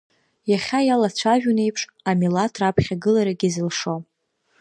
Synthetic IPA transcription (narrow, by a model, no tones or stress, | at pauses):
jaχʲajalat͡ɕʷʰaʒᶣune̞jpʰʂ | amilatʰrapʰχʲaɡɨlaɾaɡʲizɨlʂo